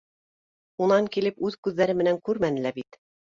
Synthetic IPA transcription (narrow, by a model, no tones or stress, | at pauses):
unɑŋkilɘpʉðkʉðːæɾɘmɘ̆næŋkʉɾmænɘ̆læbit̪